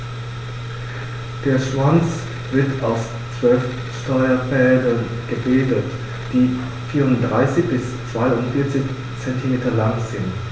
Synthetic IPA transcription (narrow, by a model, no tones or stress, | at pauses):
d̥eːɐʃv̥ant͡s | v̥ɪɐtʰaʊs | t͡sv̥œlf | ʃtɔʏɐfɛldɐn | ɡ̥əbeːdət | d̥iː | fiːʁʊntd̥ʁaɪsɪçb̥ɪs | t͡sv̥aɪʊntfɪɐt͡sɪç | t͡sɛntʰimeːtɐlaŋz̥ɪnt